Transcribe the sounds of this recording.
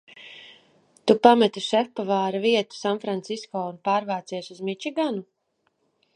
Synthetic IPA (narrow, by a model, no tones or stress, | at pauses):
t̪upamɛt̪uʃɛfpavaːɾaviɛt̪u̥sanfɾant̪siskɔːunpaːɾvaːt̪siɛsuzmit͡ʃiɡanu